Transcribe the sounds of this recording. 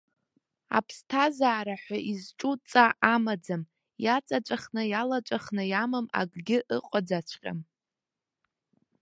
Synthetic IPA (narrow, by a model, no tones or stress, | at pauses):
a̰pʰstʰazaːɾaħʷaʔizʈ͡ʂʼut͡sʼaamad͡zam | jat͡sʼat͡ʃʷʼaχnɨjalat͡ʃʷʼaχnɨjamɨma̰ɡʼɡʲɪʔɨqʷʼad͡zat͡ʃʷʰqʲʼa̰m